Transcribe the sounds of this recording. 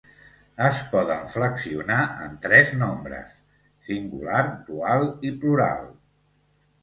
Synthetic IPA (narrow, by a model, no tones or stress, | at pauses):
əspɔðəɱfləksiunaʔə̰nt̪ɾɛznombɾə̰sː | iŋɡṵlaɾd̪ualˠipluɾa̰lˠ